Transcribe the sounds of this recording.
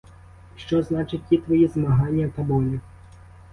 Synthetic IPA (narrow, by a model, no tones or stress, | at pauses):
ʂt͡ʃɔznat͡ʃɪtʲjit̪ʋɐjizmɐɦanʲːɐt̪ɐbɔlʲi